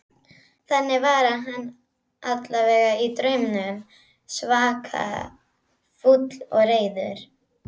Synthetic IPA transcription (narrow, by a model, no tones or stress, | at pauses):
θɛnːɪvaɾaɦanː | at̪lavɛːɣait̪ɾœɥmnʏm | svaːkʰa̰ | fut̪l̥ɔ̰ɣreːjðʏɾ̥